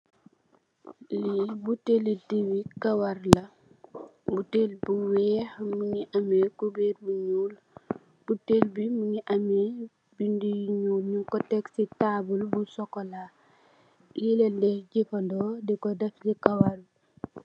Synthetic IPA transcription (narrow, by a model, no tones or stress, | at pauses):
libutelidiwikɐwɐrlɐ | butelbuwɛːhmuɲiʔɐmekubɛrbuɲuːl | b̥utelbimuɲiʔɐmɛ | bindijɲuːlɲuŋkɔtɛksitaːbulbusɔkɔla | jilɛdɛɟifɐndɔdɛkɔdɐfɟikɐwɐr